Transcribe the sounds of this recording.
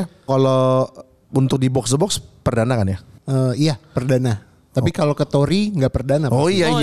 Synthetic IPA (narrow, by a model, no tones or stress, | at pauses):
kalo | unt̪ʊk̚dibɔksdəbɔkspərdanakanjaəːijapərdana | t̪apikalokət̪oɾiŋɡapərdanaoijai